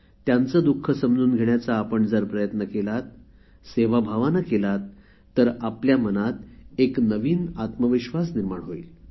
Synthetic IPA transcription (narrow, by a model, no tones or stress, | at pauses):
t̪jãnt͡səːd̪ukʰːəsəmd͡zuːnɡʱeɳjat͡saːpəɳd͡zəɾpɾəjət̪nəkelat̪ | seʋabʱaʋanakelat̪ː | əɾapljamənat̪eknəʋiːnat̪məʋiɕʋasniɾmaɳɦoḭl